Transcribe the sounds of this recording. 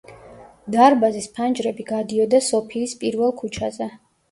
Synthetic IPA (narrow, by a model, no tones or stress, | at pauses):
d̪aɾbazispʰand͡ʒɾɛbiɡad̪iɔd̪asɔpʰiːspʼiɾvɛlˠkʰut͡ʃʰazɛ